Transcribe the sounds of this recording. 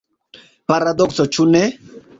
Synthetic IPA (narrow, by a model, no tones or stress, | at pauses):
paɾad̪ɔksɔt͡ʃunɛ